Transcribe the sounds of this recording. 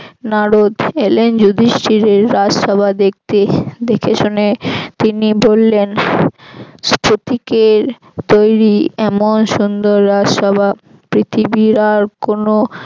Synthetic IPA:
naɾod̪elend͡ʑud̪ʱiʃʈiɾeɾːad͡ʑʃɔbʱad̪ek̚t̪ed̪ekʰeʃonet̪inibolːen | spʰot̪ikeɾ | t̪ojɾiɛmonʃund̪oɾːad͡ʑʃɔbʱa | pɾit̪ʰibiɾaɾkono

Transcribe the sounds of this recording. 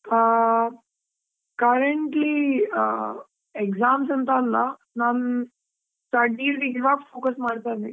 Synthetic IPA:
kɐɾeɳʈli | ekzaːmsɐnt̪aːlːa | naːn | taɖiːɾɡiʋaːɡfoːkɐsmaːɽt̪ajd̪e

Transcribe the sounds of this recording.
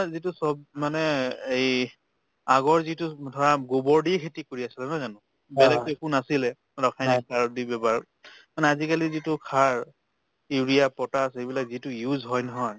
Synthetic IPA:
zitʊsɔbmanɛej | aɡɔɹzitʊdʱɔɹaɡobɔɹdikʰetikoɹiasilɛmazanʊ | bɛlɛkekunasilɛ | ɹɔkʰajnikaɹdibɛbaɹ | manɛazikalizitʊkʰaɹ | iɹijapɔtasejbilak̚zitʊjuzɦɔjnɔɦɔj

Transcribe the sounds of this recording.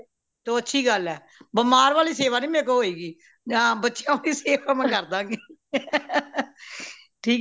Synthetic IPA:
t̪oːətːʃʰiːɡəlɛː | bəmaːɾʋaːliːseːʋaːnĩːmeːkəɦoːiːɡiː | d͡ʒãːbətːʃjãːaːliːseːʋaːmɛ̃ːkəɾd̪ãːɡiː | ʈʰiː

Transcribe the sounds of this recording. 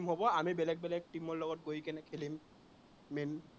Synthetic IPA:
mɦobɔamibɛlɛɡ̚bɛlɛɡ̚timɔɹlɔɡɔt̚ɡojkɛnɛkʰelimː | in

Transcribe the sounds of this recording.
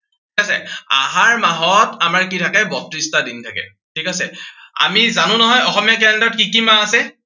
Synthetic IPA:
tʰikasɛ̰a̰ɦaɹmaɦɔtamaɹkitʰakɛbɔtɹistadintʰakɛ̰ | tʰikasɛa̰mizanʊ̃nɔɦɔjɔxɔmijakɛndɔtkikimãasɛ

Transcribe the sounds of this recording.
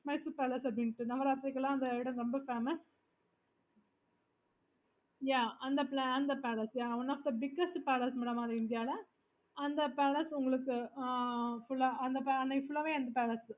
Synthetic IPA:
mɐɪspeːlɐsɐbɽɪnʈːɯnɐʋɐɾaːt̪ːɪɾɐkːɐlãːɐnd̪ɐɪɽɐ̃mɾɔmbɐfeːmɐs | jaːɐnd̪ɐplɐnd̪ɐpeːɭɐsjaːɐʋɐnaːfd̪ɐbɪɡɐsʈpɛːlɐsmɐɽɐmaːðɐɪnd̪ɪjaːlɐ | ɐnd̪ɐpeːlɐsʊŋɡɐɭɯkːɯ | fʊɭːɐɐnd̪ɐpɐnːɐkːfʊɭːɐʋeːɐnd̪ɐpeːlɐs

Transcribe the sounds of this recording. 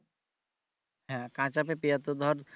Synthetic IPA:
ɛ̃kãt͡ʃapepijat̪od̪ʱɔɾ

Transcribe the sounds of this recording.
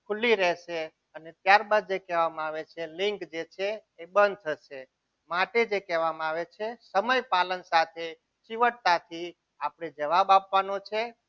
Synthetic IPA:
kʰulːiɾɛʃe | ənet̪jaɾbad̪̚d͡ʒekɛʋamaaʋet͡ʃʰelɪŋkd͡ʒet͡ʃʰeːbənd̪̚t̪ʰəʃe | maʈed͡ʒekɛʋamaʋet͡ʃʰesəməjpalənsat̪ʰe | t͡ʃiʋəʈt̪at̪ʰi | apɳ̃ed͡ʒəʋabapʋanot͡ʃʰe

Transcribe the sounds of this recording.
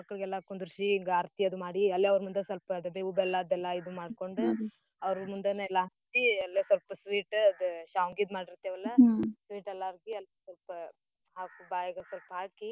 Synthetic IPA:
ɐkːɐɭɡɛlːakond̪ɾuʃiːŋɡaːɾt̪iɐd̪umaːɽiɐlːeɐʋɾmund̪esɐlpɐɐd̪ɐbeubɛlːad̪ɛlːɐid̪umaːɖko̞ɳɖu | ɐʋɾmund̪enɐɛlːaɦɐst̪iɐlːesɐlpɐsʋiːʈɐd̪uʃaːʋŋɡid̪maːɽiɾt̪ːeʋɐlːɐsʋiːʈɛlːaɾɡiɐlsɐlpɐ | haːkubaːjɐɡɐsʋɐlpɐɦaːki

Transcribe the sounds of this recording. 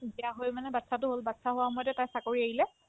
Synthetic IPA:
bijaɦojmanɛbatsatʊɦolbatsaɦowamojtɛtajsakoɹiaɦilɛ

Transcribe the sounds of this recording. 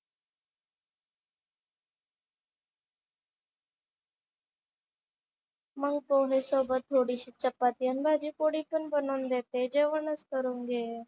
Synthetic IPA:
məŋɡ̚poːɦesoːbət̪ʰːoːɽiːɕiːt͡ʃəpːaːt̪iənbʱaːd͡ʒiːpoɽiːpənbənoːnd̪eːt̪ed͡ʒeːʋəɳəskəɾũːŋɡe

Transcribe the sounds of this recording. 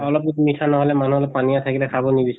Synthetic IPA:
ɔlɔp̚kitumitʰanɔɦɔlɛmanuɔlɔpːpaniasakilɛkʰabɔnibis

